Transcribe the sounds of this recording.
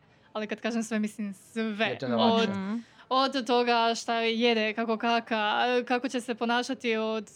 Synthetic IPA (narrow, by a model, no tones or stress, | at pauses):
alikad̪kaːʒemsʋemislimsʋeod̪od̪ːo̞ɡaʃt̪ajed̪ekako̞kakakako̞t͡ɕe̞se̞po̞naːʃat̪iod̪